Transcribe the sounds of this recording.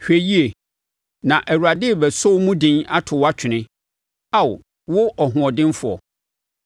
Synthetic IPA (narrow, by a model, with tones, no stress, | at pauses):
hᶣe˨ji˦e˨ | nã˨ʔæ˨wu˨ɾa˨dɪ˦˨bɛ˨so˦wmũ˦dɪ̃˦na˦tʰʊ˨wa˦t͡ɕᶣʰɪ˨nɪ̃˦ | a˦˨wʊ̰˨ | wʊ˦ʔɔ˨ɦʊ̃˨ɔ˨dɪ̃˦nfʊ˨ɔ̰˨